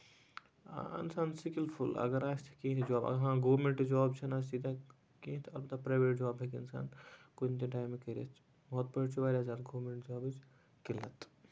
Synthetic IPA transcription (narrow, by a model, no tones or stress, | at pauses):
ɐ̰nsaːnsikilpʰulɐ̰ɡəɾaːst̪ʰi̥kĩt̪ʰd͡ʒaːbɐ̰ɦãːɡoːmẽɳʈd͡ʒɔːbt͡ʃʰɐnasiːd̪ʱa | kĩːt̪ʰɐlbɐt̪apɾaːjʋeːʈ̚d͡ʒaːbekiɐnsa̰ːnkʊnt̪ĩʈaːjmːekəɾɐ̰t͡ʃʰ | bɔːt̪̚bəɽt͡ʃʰibaːɾʲjaːsaːt̪ɡoːmẽɳʈd͡ʒɔːbt͡ʃʰ | kilət̪